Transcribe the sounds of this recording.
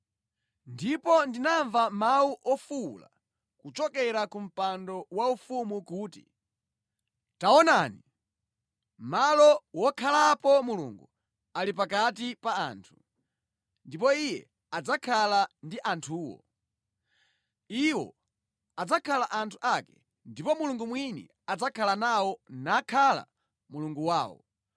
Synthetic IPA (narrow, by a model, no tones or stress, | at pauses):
ndipɔndinaɱvamawuʔɔfṵla̰ | kut͡ʃɔkɛɾakum̩pandɔwaufumukuːtḭ | taɔnani | malɔwɔkʰalapɔmulṵŋɡu | alipakatipaaːntʰu̥ | ndipɔijɛ̰ | ad͡zakʰalandiʔantʰuːwɔ̰ | iwɔ̰ | ad͡zakʰalaʔantʰu̥ʔakɛ̥ | ndipɔmuluŋɡumwinḭ | ad͡zakʰalanawɔnakʰala̰ | muluŋɡuwaːwɔ̰